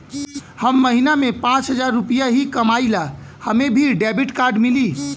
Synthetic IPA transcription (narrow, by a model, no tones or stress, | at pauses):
həmːəɦinamepãt͡ʃɦəd͡ʒaɾːupijaɦikəmailahəmebʱiɖɛbiʈkaɾɖmili